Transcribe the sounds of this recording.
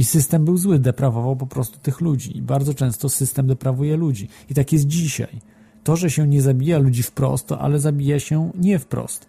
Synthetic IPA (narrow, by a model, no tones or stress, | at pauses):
isɘst̪ɛmbɘwzwɘd̪ɛpɾavɔvawpɔpɾɔst̪u̥t̪ɘxlud͡ʑiibaɾd̪ɔt͡ʂɛ̃w̃st̪ɔsɘst̪ɛmd̪ɛpɾavujɛlud͡ʑi | it̪akʲjɛs̬t̪̚d͡ʑiɕa̰j | t̪ɔʐɛɕɛɲɛzabʲijalud͡ʑifpɾɔ̰st̪ːʔa̰lɛzabʲijaɕɛɲɛfpɾɔ̰st̪